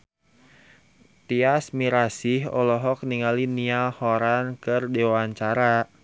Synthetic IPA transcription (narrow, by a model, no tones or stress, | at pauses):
t̪iasmiɾasiɦɔ̰lɔɦɔk̚niŋalinialhɔɾankɨrdewaɲt͡ʃaɾa